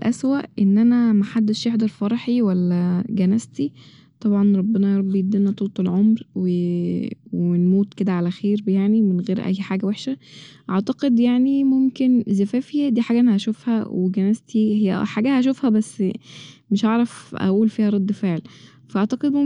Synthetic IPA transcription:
lʔæswæʔʔenːʔænæmaħad̪ːeʃjeħd̪ɑɾˤfɑɾˤɑħiwælːæɡænæst̪i | t̪ˤɑbʕɑnɾˤɑbːenɑjɾˤɑbːjed̪ːinæt̪ˤolt̪ˤelʕomɾwe | wenmuːt̪ked̪æʕalæxeːɾbjaʕnimenɣeːɾʔæ̰jːħaːɡæweħʃæʔɑʕt̪ɑqed̪jaʕnimomkenzæfæːfijæd̪iːħaːɡæʔenːæhæʃofhæ̰weɡænæzt̪ihejæħaːɡæhæʃ̬ofhæbæsːmeʃʔaʕɾˤæfʔæ̰ʔuːlfiːhæɾˤɑd̪ːfeʕel | fæʔɑʕt̪ɑqed̪mom

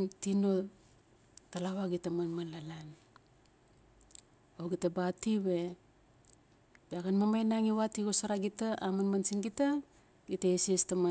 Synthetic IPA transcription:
tino | talawaɡitamanmalalan | oɡitabatiwe̞ | biaɡanmamajnaŋiwatiɡosaɾaɡitaʔamanmansinɡita | ɡitaesestama

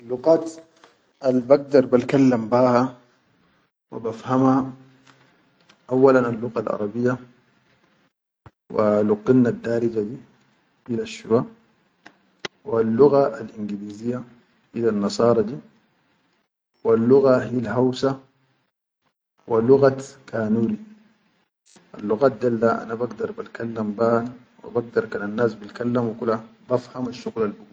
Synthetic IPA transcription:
alːʊɣaːt̪ | ʔalbaɡ̚d̪ɑɾˤbalkalːambaːha | wa̰bafhama | ʔawːalanalːʊɣalʔɑ̰ɾˤɑbijːa | wa̰luqːinnad̪ːaːɾid͡ʒad̪i | hilaʃːuɾa | walːuɣaʔalʔinɡiliːzijːa | ʔilanːɑsˤɑːɾˤɑd̪i | walːuɣaɦilɦawsa | waluɣat̪kʰaːnuːɾi | ʔa̰lːuɣaːt̪̚d̪alːaʔa̰nabaɡd̪ɑɾˤbalkalːambaːn | wḭbaɡ̚d̪ɑɾˤkananːaːsbilkalːamukulabafhamaʃːuɣlalbuɡu

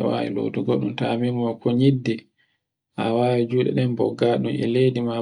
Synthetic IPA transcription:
ɛwa̰wḭlo̰duɡɔɗumtamimɔkʰɔɲidːɛ | hawaːwid͡ʒuɗɛ̰ɗɛmbɔ̰ɡːaɗumɛ̰lejdima

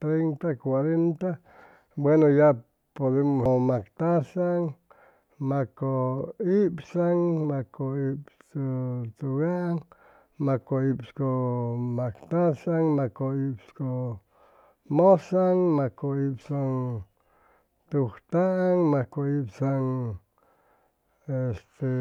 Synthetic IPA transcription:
t̪ɾejnt̪akwaɾent̪a | bwenoja | poðemomakt̪asaŋ | makoipsaŋmakoipsot̪uɣaŋ | makoipskomakt̪asaŋmakoipsko | mosaŋmakoipsaŋ | t̪uxt̪aʔaŋmakoipsaŋ | est̪e

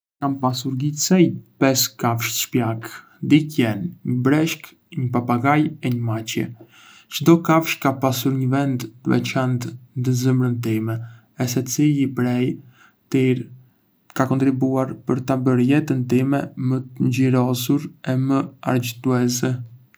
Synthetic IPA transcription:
kampasuɾɡisɛjpɛskafʃʃpjak | d̪ikjɛnɲəbɾɛʃk | ɲəpapaɡajɛɲəmat͡ɕjɛ̰ | t͡ʃəd̪ɔkafʃkapasuɾɲəvɛnd̪t̪əvɛ̰t͡ɕand̪nd̪əzəmɾənt̪imɛ | ɛs̬ɛt͡siipɾɛj | t̪iɾ | kakɔnt̪ɾibuaɾpəɾt̪abəɾjɛt̪ənt̪imɛmət̪əɲɟiɾɔsuɾɛməa̰ɾd͡ʑt̪uɛsɛ

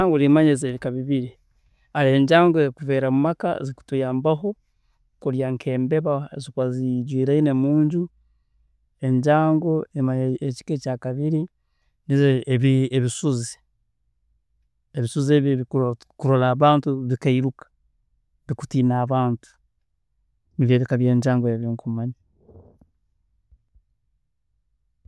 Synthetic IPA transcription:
aːŋɡolimaɲezeβikaβiβiɾi | aleɲɟaːŋɡoekuve̞ːɾamumaka̰ziku̥tujaːmbaɦo̞ | kuɾjaŋkʰe̞ːmbe̞βazikwaziɟwiːɾaine̞muːɲɟu | e̞ɲɟaːŋɡo̞emaɲeci̥kecaːkaβiɾi | nizβieβisuzi̥ | eβisuzeβii | kuɾolaːβaːntuβikaiɾukḁ | βiku̥tinaːβaːntu̥ | niβeːβikaβjeːɲɟaːŋɡoeβiŋkumani

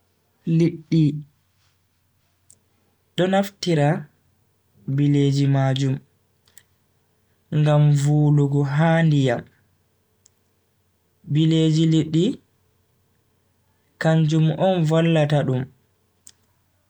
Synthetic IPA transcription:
liɗːi | ɗɔnaftiɾa | biled͡ʒimaːd͡ʒum | ŋɡamvuːluɡɔɦaːndijam | bileːd͡ʒiliɗːi | kaɲd͡ʒumʔɔnvalːataɗum

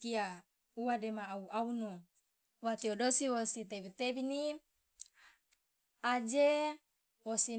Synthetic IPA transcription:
ia | uwademaːuauno | wat̪iodosiwosit̪ebit̪ebini | ad͡ʒe | wosi

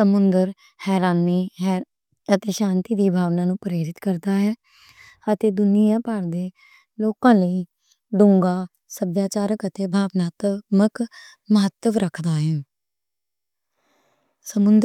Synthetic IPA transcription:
səmʊnd̪əɾ | hɛːɾaːniːɦɛː | ət̪eːʃãːnt̪iːd̪iːbʱaːʋnãːnũːpɾeːɾɪt̪kəɾd̪aːɦɛː | ət̪eːd̪ʊnɪjãːpaːɾd̪eː | loːkãːləiː | ɖ̪ʊ̃ŋɡaː | səbjaːt͡ʃaːɾəkət̪eːbʱaːʋnaːt̪mək | məɦət̪ːəʋɾəkʰd̪aːɦɛː | səmʊnd̪

